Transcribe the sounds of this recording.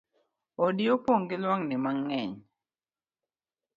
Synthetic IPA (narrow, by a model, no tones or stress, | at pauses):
odiopoŋɡɪlwaŋnɪmaŋːɛɲ